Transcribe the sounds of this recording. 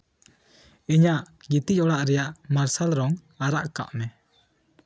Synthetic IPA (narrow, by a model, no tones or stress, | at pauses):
iɲaʔ | ɡit̪icɔɽaʔɾɛjaʔmaɾsalɾɔŋ | aɾaʔka̰ʔmɛ